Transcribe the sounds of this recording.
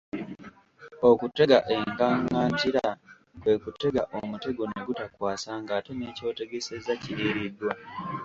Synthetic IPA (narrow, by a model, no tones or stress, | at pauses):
o̞kutːe̞ɡaʔe̞ŋkaŋɡaːntiɾa | kwe̞kute̞ɡaʔo̞mute̞ɡo̞ne̞ɡutakwaːsaŋɡaːteneːco̞ːte̞ɡe̞se̞zacieɾidwa